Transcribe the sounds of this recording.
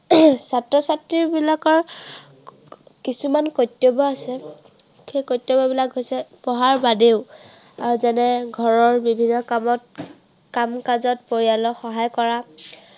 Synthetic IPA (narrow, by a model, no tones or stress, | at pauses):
satɹɔsatɹiɹbilakɔɹ | kisumankojtːobɔasɛ | xejkojtːjobɔbilakɦojsɛpɔɦaɹbadeʊ | azɛnɛɡʱɔɹɔɹbibʱinːɔkamɔt | kamkazɔt̚poɹijalɔxɔɦajkɔɹa